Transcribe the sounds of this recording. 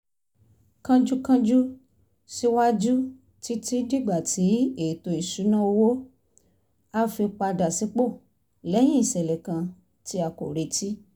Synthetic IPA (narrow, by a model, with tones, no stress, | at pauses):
kã˧d͡ʒu˦kã˧d͡ʒu˦ | si˦wa˦d͡ʒu˦ | ti˨˦ti˦di˦˨ɡ͡ba˨ti˨˦e˨to˨˧i˨ʃu˨˦nã˦o˧wo˦ | a˦˧fi˧k͡pa˧da˨si˨˦k͡po˦˨ | lɛ˨˦j̃ĩ˦i˦˨sɛ˨lɛ˨kã˧ | ti˧˦a˧ko̰˨ɾe˨˧ti˦